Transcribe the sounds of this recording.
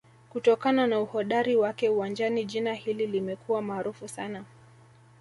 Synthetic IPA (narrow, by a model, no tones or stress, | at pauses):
kutɔkananauhɔɗaɾiwakɛuwand͡ʒaniʄinahililimɛkuwamaːɾufusana